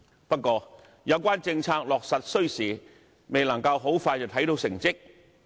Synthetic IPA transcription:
pɐ˥t̚kːɔː˧ | jɐ˨˧˥wkʷaː˥nt͡sɪ˧ŋt͡sʰaː˧k̚lɔː˨k̚sɐ˨t̚sɵ˥ɥsiː˨˩ | me˨jlɐ˨˩ŋkɐ˧wɦo˨˥wfaː˧jt͡sɐ˨˩wt̪ʰɐ˨˥jt̪o˨˥wsɪ˨˩ŋt͡sɪ˥k̚

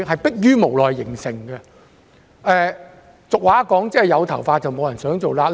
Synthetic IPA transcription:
ɦɐ˨jpɪ˥k̚jyː˥mo˨˩wlɔː˨jːɪ˨˩ŋsɪ˨˩ŋɡɛ˧ | ʔɛː˨˧ | t͡sʊ˨k̚waː˨˥kɔː˨˥ŋt͡sɛː˥˨jɐ˨˧wt̪ʰɐ˨˩wfaː˧t̚t͡sɐ˨wmo˨˧wjɐ˨˩nsœː˨˥ŋt͡so˨wlaː˧

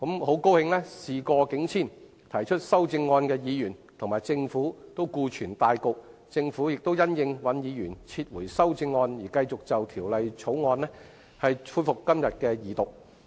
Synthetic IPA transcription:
ko˨˥mho˨˥wko˥whɪ˧ŋlɛː˥siː˨kɔː˧kɪ˨˥ŋt͡sʰiː˥˩n | t̪ʰɐ˨˩jt͡ʃʰɵ˥t̚sɐ˥wt͡sɪ˧ŋːɔː˧nkɛː˧jiː˨˧jyː˨˩nt̪ʰʊ˨ŋmaː˨˩jt͡sɪ˧ŋfuː˨˥t̪o˥wkuː˧t͡ʃʰyː˨˩nt̪aː˨˧jkʊ˨k̚t͡sɪ˧ŋfuː˨˥jɪ˨k̚t̪o˥wjɐ˥njɪ˧ŋwɐ˨˥njiː˨˧jyː˨˩nt͡sʰiː˧t̚wuː˨˩jsɐ˥wt͡sɪ˧ŋːɔː˧njiː˨˩kɐ˧jt͡sʊ˨k̚t͡sɐ˨wt̪ʰiː˨˩wlɐ˨jt͡ʃʰo˨˥wŋɔː˧nlɛː˥ | hɐ˨jfʰuː˧jfʊ˨kːɐ˥mjɐ˨t̚kɛː˧jiː˨˩t̪ʊ˨k̚

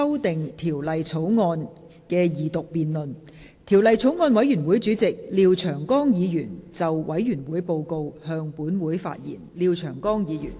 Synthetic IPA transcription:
ɐ˥wt̪ɪ˨ŋt̪ʰiː˨˩wlɐ˨jt͡sʰo˨˥wŋɔː˧n | kɛː˧jiː˨˩t̪ʊ˨k̚piː˨nlɵ˨n | t̪ʰiː˨˩wlɐ˨jt͡sʰo˨˥wŋɔː˧nwɐ˨˥jyː˨˩nwu˨˥jt͡syː˨˥t͡sɪ˨k̚liː˧wt͡ʃʰœː˨˩ŋkɔː˥ŋjiː˨˧jyː˨˩nt͡sɐ˨wwɐ˨˥jjyː˨˩nwuː˨˥jpo˧wko˧whœː˧ŋpuː˨˥nwuː˨˥jfa̰ː˧t̚jḭː˨˩nliː˧wt͡ʃʰœː˨˩ŋkɔː˥ŋjiː˨˧jy̰ː˨˩n

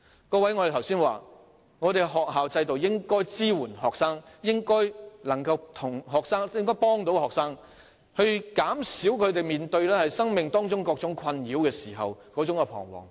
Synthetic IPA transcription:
kɔː˧wɐ˨˥jŋɔ˧ɾe˨˩t̪ʰwsiː˥nwaː˨˩ | ŋɔ˨˧t̪e˨jɦɔː˨k̚ɦaː˨wt͡sɐ˧jt̪o˨wjɪ˥ŋkɔː˥jt͡siː˥wuː˨˩nɦɔː˨k̚saː˥ŋjɪ˥ŋkɔː˥jlɐ˨˩ŋkɐ˧wt̪ʰʊ˨˩ŋɦɔː˨k̚saː˥ŋjɪ˥ŋkɔː˥jpɔː˥ŋt̪o˨˥whɔː˨k̚saː˥ŋ | hɵ˧ɥkaː˨˥msiː˨˥wkʰɵ˨˧ɥt̪e˨jmiː˨nt̪ɵ˧ɥlɛː˥hɐ˨jsɐ˥ŋmɪ˨ŋt̪ɔː˥ŋt͡sʊ˥ŋkɔː˧k̚t͡sʊ˨˥ŋkʰɐ˧njiː˨˥wkɛː˧siː˨˩ɦɐ̰˨wkɔː˨˥t͡sʊ˨˥ŋkɛ˧pʰɔ̰ː˨˩ŋwɔ̰ː˨˩ŋ

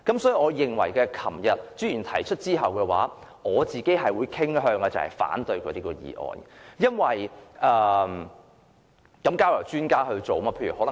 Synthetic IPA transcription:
kɐ˨˥msɔː˨˥ji˨ŋɔː˨˧jɪ˨ŋwɐ̰˨˩jkɛː˧kʰɐ˨˩mjɐ˨t̚t͡syː˥jyː˨˩nt̪ʰɐ˨˩jt͡ʃʰɵ˥t̚t͡siː˥ɦɐ˨wkɛː˧wa̰ː˨˥ | ŋɔː˨˧t͡siː˨ke˨˥jɦɐ˨jwuː˨˧jkʰɪ˥ŋɦœː˧ŋkɐ˧t͡sɐ˨whɐ̰˨˩jfa̰ː˨˥nt̪ɵ˧ɥkɔː˨˧t̪iː˥kɔː˧jḭː˨˩ʔɔ̰ː˨˧njɐ˥nwɐ˨jʔɛː˧ | kɐ˨˥mkaː˥wjɐ˨˩wt͡ʃyː˥nkaː˥ɦɵ˧ɥt͡so˨wmaː˥eː˧jɥyː˨˩hɔ˨˥lɐ˨˩

